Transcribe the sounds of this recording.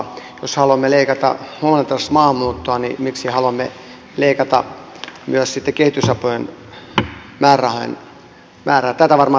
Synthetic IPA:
joshɑluɑmːeleikɑt̪ɑ̰huonent̪ɑsmɑːmːuːt̪ːoɑnimiksihɑluɑmːe | leikɑt̪ɑ̰ | myøssit̪ːekehit̪ysɑpojen | mæːrɑhoḛn | mæːræːt̪æt̪æʋɑrmɑː

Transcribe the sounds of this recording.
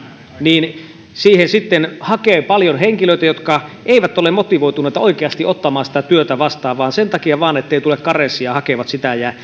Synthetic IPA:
niːn | siːhensit̪ːenhɑkeːpɑljonheŋkiløˑit̪æjot̪kɑʔeiʋæt̪ːolemot̪iʋoit̪uneːˑit̪ɑoikeɑst̪iʔot̪ːɑmɑːsi̥t̪æt̪yøt̪æʋɑst̪ɑːʋʋɑːnsent̪ɑkiɑʋɑːnet̪ːeit̪ulekkɑresːˑiɑhɑkeʋɑt̪sit̪æjæ

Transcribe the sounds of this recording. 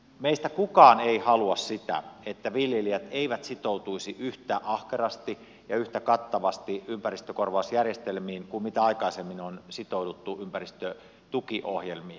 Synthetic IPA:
meist̪ækukɑːneihɑluɑssit̪æ̰et̪ːæʋiljeliæt̪eiʋæt̪sit̪out̪uisiʔyht̪æːʔɑhkerɑst̪i | jɑyht̪ækɑt̪ːɑʋɑst̪iympærist̪økorʋɑˑusjærjest̪elmiːnkummit̪æɑikɑisemːinonsit̪oudut̪ːuʔympærist̪ø | t̪ukiʔohjelmiː

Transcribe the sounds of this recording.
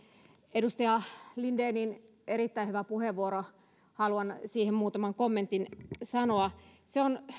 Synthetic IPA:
edust̪ɑjɑlindeːnin | eɾit̪ːæiyʋæpuheʋːuoɾo | hɑluɑnsiːhemmuːt̪ɑmɑŋkomːent̪insɑnoɑ | seon

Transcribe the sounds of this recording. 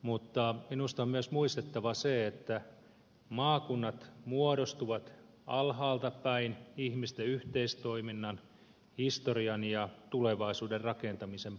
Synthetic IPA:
mut̪ːɑminust̪ɑommyøsmuist̪et̪ːɑʋɑseet̪ːæ | mɑːkunːɑt̪muoɾost̪uʋɑt̪ | ɑlɦɑːlt̪ɑpæinihmist̪eyht̪eist̪oiminːɑn | hist̪oriɑnjɑt̪uleʋɑisuːderrɑkent̪ɑmisem

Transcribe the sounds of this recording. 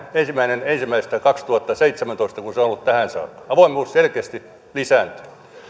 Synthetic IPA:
ensimːˑæinenensimːˑæist̪ækɑkst̪uhɑt̪ːɑseit̪semænt̪oist̪ɑkunseonolːut̪t̪æhæˑnsɑ̰ːkːɑ̥ɑʋoˑimˑuːsselkeːst̪i | lisæːˑnt̪y̥

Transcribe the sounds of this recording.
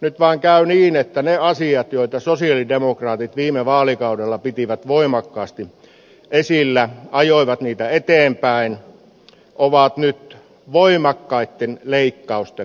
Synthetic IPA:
nyt̪ʋɑˑːŋkæyniːnet̪ːæneɑsiɑt̪joˑit̪ɑsosiɑlidemokrɑːt̪it̪ʋiːmeʋɑːlikɑudelːɑpit̪iʋæt̪ʋoimɑkːɑːst̪i | ʔesilːæɑjoˑiʋɑt̪niːt̪æet̪eːmpæˑin | ʔoʋɑt̪nyt̪ | ʋoimɑkːɑit̪ːenleikːɑust̪e

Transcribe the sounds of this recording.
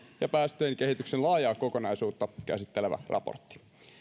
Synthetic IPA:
jɑpæːst̪eːŋke̞ɦit̪yksenlɑːjɑːkokonɑjsuːt̪ːɑkæ̰sit̪ːeleʋæ̰rʔɑ̰po̰rt̪ːi̥

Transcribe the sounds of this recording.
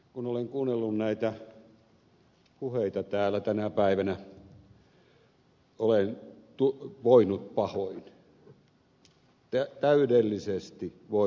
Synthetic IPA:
kunoleŋkuːnːelːunnæit̪æ | puheit̪ɑt̪æːlæt̪ænæpæiʋænæ | olent̪uʋoinut̪̚pɑhoin | t̪æt̪æydelːisest̪i | ʋo

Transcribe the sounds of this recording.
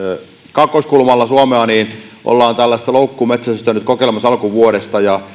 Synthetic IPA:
kɑkːˑoskulmɑlːɑsuɑmeɑniːn | ʔo̰lːɑːnt̪ælːæst̪ɑloukːumet̪sæsst̪ænːˑyt̪̚kokelmɑsɑlkuʋuoɾest̪ɑjɑ

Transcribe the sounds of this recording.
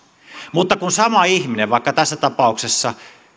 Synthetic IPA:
mut̪ːɑkunsɑmɑihmineʋʋɑˑikːɑt̪æsːæt̪ɑpɑˑuksesːɑ

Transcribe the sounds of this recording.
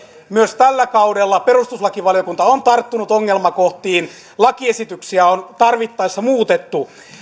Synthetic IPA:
myøst̪ælːækɑudelːɑperust̪uslɑkiʋɑlijokunt̪ɑont̪ɑrt̪ːunut̪oŋːelmɑkoht̪iːn | lɑkiesit̪yksiæont̪ɑrʋit̪ːɑisːɑmuːt̪et̪ːu

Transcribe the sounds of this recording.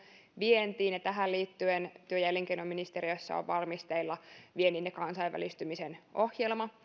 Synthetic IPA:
ʋient̪iːnnet̪æɦælliːt̪ːyent̪yøjælːeŋk̟einomːinist̪eɾiøsːɑ̰o̰ʋʋɑrmist̪eilːɑʋieninekɑnsɑiʋʋæ̰list̪ymisenʔo̞hjelmɑ

